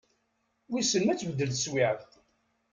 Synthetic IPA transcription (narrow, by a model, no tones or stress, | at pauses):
wisənmæt͡sːvəd̪ːəlswiʕðθ